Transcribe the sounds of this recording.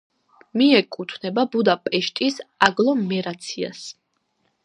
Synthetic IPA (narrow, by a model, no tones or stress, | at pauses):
miɛkʼut̪ʰvnɛbabud̪apʼɛʃt̪ʼisaɡlˠɔmɛɾat̪sʰia̰s